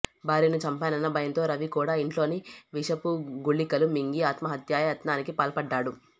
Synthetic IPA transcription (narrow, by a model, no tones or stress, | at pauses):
baːɾinut͡ʃɐmpaːnɐnːɐbʱɐjɐnt̪o̞ːɾɐʋikuːɽaːiɳʈlo̞ːniʋiʂɐpuɡuɭːikɐlumiŋɡiaːt̪mɐɦɐt̪jaːjɐɐt̪naːnikipaːlɐpɐɖːaːɽu